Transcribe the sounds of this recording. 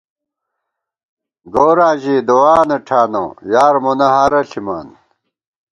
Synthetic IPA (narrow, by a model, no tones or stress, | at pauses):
ɡoːɾaːʑid̪owaːnɐʈʰaːno̰jaːɾmonɐɦaːɾɐɬima̰ːn